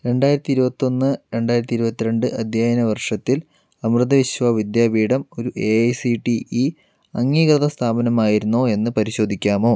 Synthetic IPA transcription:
ɾe̞ɳɖaːjiɾɐt̪ːiɾubɐt̪ːo̞nːɨɾe̞ɳɖaːjɾɐt̪ːiɾubɐt̪ːiɾeɳɖɨʔɐd̪ʱjaːjɐnɐʋɐrʂɐt̪ːil | ɐmrɨd̪ɐʋiɕʋaʋid̪jaːbiːɽɐmo̞ɾuʔejsiʈii | ɐŋːiːkrɐðɐst̪ʰaːbɐnɐmaːjiɾunːoːe̞nːɨpɐɾiɕo̞ːd̪ʱikʲːaːmo̞ː

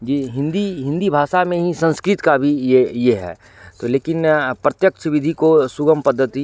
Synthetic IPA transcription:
d͡ʒiːɦɪ̃nd̪iɦɪ̃nd̪ibʱaːʃamẽɦisɐ̃nskɾɪt̪kabʱiejeɦɛ̰ː | t̪oleːkɪnpɾɐt̪jəkt͡ʃʰʋɪd̪ʱikosʊɡəmpɐd̪ʱːət̪i

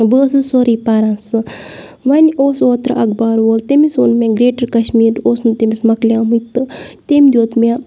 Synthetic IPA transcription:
bəːsɨsoːɾiːpaːɾɐnsɨ | ʋɐnʲoːsoːt̪ɾɨʔɐɡbaːɾʋoːlt̪emisoːnmẽɡɾeːʈɐɾkɐʃmiːɾoːsnɨt̪emismɐklʲjaːmɨt̪ɨt̪emʲd̪ʲoːt̪mʲa

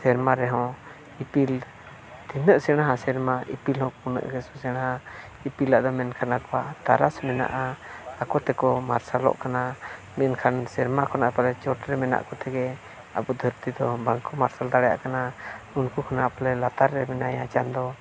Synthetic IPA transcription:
sɛɾmaɾɛɦɔ̃ | ipil | t̪inəʔsɛɽ̃aɦasɛɾmaʔḭpilhɔ̃kunə̰ʔɡɛsɔsɛɽ̃aɦa | ipilaʔd̪ɔmɛnkʰanakɔwat̪aɾasmɛna̰ʔaakɔt̪ɛkɔmaɾsalɔ̰ʔkana | mɛnkʰansɛɾmakʰɔnaʔpalɛt͡ʃɔʈɾɛmɛna̰ʔkɔt̪ɛɡɛ | a̰bɔd̪ʱəɾt̪id̪ɔbaŋkɔmaɾsald̪aɽja̰ʔkanaunkukʰɔnaʔpɔlɛlat̪aɾːɛmɛnajat͡ʃand̪ɔ

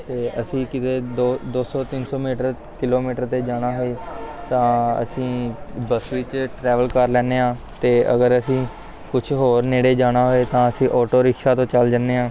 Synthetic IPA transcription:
t̪eːʔəsĩːkɪt̪eːd̪oːd̪oːsɔːt̪ɪnsɔːmiːʈəɾ | kɪloːmiːʈəɾt̪eːd͡ʒaːɽaːɦoeːt̪ãːə̰sĩːbəsiːt͡ʃʈɾɛːʋəlkəɾlɛːneːãː | t̪eːə̰ɡəɾəsĩː | kʊt͡ʃʰɦoːɾneːɽeːd͡ʒaːnaːɦoːeːt̪ãːəsĩːʔɔːʈoːɾɪkʃaːt̪õːt͡ʃəld͡ʒənːeːãː

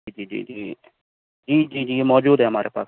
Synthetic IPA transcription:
iːd͡ʒiːd͡ʒḭːd͡ʒiː | d͡ʒiːd͡ʒiːd͡ʒiːmɔːd͡ʒuːd̪ɦɛəmaːɾepa̰ː

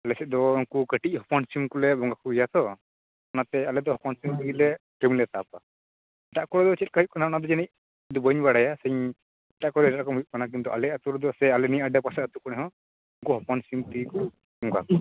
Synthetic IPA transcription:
alɛsɛˀd̪ɔuŋkukəʈic̚ˀhɔpɔnsimkulɛbɔŋɡakuɡijat̪ʰɔ | anat̪ɛalɛd̪ɔɦɔpansimt̪iɡilɛkimlɛt̪apa | ɛʈaʔkɔɽɔd̪ɔt͡ʃɛt̪̚kaɦuc̚kɔnanad̪ɔd͡ʒɛnic̚ | d̪ubəɲbaɽajasɛɲ | ɛʈaʔkɔɽɔdɛʈakɔmɦujt̚kanak̬int̪uʔa̰lɛat̪uɾd̪ɔsɛalɛniaɖapasɛət̪ukɔnɛɦɔ̃ | uŋkuɦɔpɔnsimt̪əɡikɔ | bɔŋɡa̰kɔ

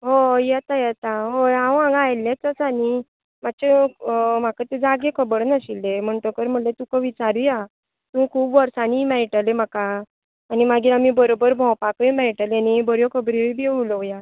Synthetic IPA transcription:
ɦojɛt̪ajɛt̪aɦoãʋãŋɡajlːẽt͡s̪əsani | mat͡ɕem̤akət̪ed͡zaɡekʰəbəɽnəɕilːem̤əɳʈəkəɾm̤əlet̪ukəʋit͡saɾuja | t̪ũkʰuːbʋəɾsanimɛɭʈəlem̤akaː | nimaɡiamibəɾobəɾbʱɔ̃wpakəmɛɭʈəlanibəɾjokʰəbɾibʱeulɔja

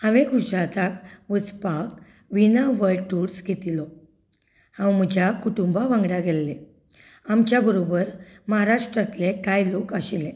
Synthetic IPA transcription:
ãʋeɡud͡ʑɾat̪akʋəd͡zpak̚ | ʋinaʋəlʈuɾsɡʱet̪ilɔ | hãwm̤əd͡ʑʱjakuʈumbaʋãŋɡɽaɡelːe | amt͡ɕjabəɾobəɾməɦaɾaʂʈɾət̪lekajlokəɕile

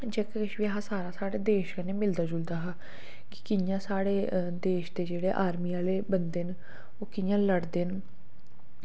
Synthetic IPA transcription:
d͡ʒeːkkəʃʋiɦaːsaːɾaːsaːɽeːd̪eːʃkəneːmɪld̪aːd͡ʒʊld̪aːɦaː | kɪ̥kɪjãːsaːɽeːd̪eːʃd̪eːd͡ʒeːɽeːʔaːɾmiːaːleːbənd̪eːn | oːkɪjãːləɽd̪eːn

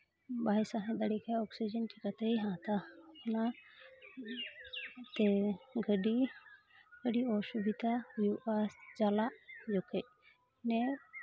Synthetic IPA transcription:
bajsaɦɛ̃d̪əɽikaɔksid͡ʒənʈʰikat̪ɛiɦãt̪aɔna | t̪ɛɡəɖi | ɡəɖiɔsubʱit̪ajuʔasd͡ʒalaʔd͡ʒɔkʰɛc | nɛ

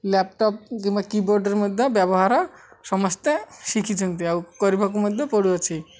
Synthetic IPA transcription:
lɛp̚ʈɔp̚kiŋbakiboɾɖeɾmod̪ʱːebɛbɔɦaɾɔ | ʃɔmɔst̪eʃikʰit͡ʃʰont̪iawkoɾibʱak̬umod̪ʱːepoɽuot͡ɕʰi

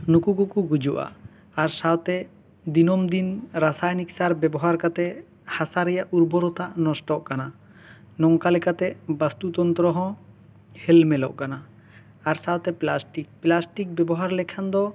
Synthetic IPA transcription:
nukukukuɡud͡ʒuʔa̰ | aɾsawt̪ɛ | d̪inɔmd̪inɾasajnik̚saɾbɛbɔɦaɾkat̪ɛ | hasaɾɛjaʔuɾbɔɾɔt̪aʔnɔsʈɔʔkana | nɔŋkalɛkat̪ɛʔbast̪ut̪ɔnt̪ɾɔɦɔ̃ | hɛlmɛlɔ̰ʔkana | aɾsawt̪ɛplasʈik̚plasʈik̚bɛbɔɦaɾlɛkʰand̪ɔ

